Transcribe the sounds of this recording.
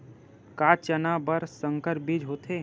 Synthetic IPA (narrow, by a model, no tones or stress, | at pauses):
kaːt͡ʃənabəɾsə̃ŋkəɾbid͡ʒɦoːt̪ʰe